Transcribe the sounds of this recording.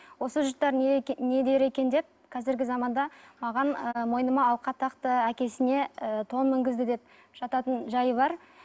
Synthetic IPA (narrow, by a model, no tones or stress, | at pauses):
wo̞səʒʊɾt̪ːɑɾne̞d̪e̞ɾe̞kʲe̞nd̪e̞p̚kʰɑzɪɾɡʲɪzɑmɑnd̪ɑmɑʁɑnəmo̞jnəmɑːlˠqɑt̪ʰɑqt̪əækʲe̞sɪne̞ət̪ʰo̞nmɪŋɡʲɪzd̪ɪd̪e̞p̚ | ʒ̥ɑt̪ɑt̪ənʒɑjəbɑɾ